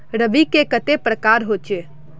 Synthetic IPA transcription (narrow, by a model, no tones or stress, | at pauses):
ɾəʋikekət̪epɾəkaːɾɦoːt͡ʃe